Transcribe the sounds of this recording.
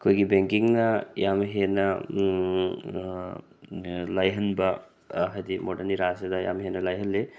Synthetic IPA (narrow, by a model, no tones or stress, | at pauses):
kʰojɡibeŋkiŋnɐjamɦenɐ | lajɦɐnbɐ | ɦajdimodɐɾniɾasedɐja̰mhenɐlajɦɐnlːe